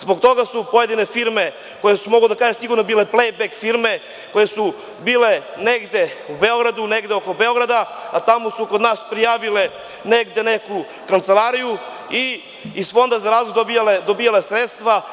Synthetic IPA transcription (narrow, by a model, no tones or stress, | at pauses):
zboɡt̪o̞ɡasupo̞je̞d̪ine̞fiɾme̞ | ko̞jesumo̞ɡled̪akaːʒemsiɡuɾnobiːle̞plejbekfiɾme̞ | kojesu | biːle̞neɡd̪e̞ubeo̞ɡɾad̪uneɡd̪eoko̞beo̞ɡɾad̪aat̪amosukod̪naːspɾijaːʋile̞ | neɡd̪e̞neku | kant̪se̞lˠaːɾiju | i | iz̥fo̞nd̪azaɾaːzlojd̪obijaled̪obiːjalesɾet̪st̪ʋa